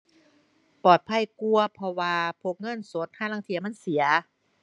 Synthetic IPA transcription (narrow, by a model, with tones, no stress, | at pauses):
pɔː˨˩t̪̚pʰa˧˥˨jku˧ɐpʰɔ˧waː˧pʰo˧˩k̚ŋɤ˧˥˨nso˨˦˥t̪̚haː˧˥˨laː˧˥ŋt̪ʰi˧˦ɐma˧˥˨nsi˨˩˦ɐ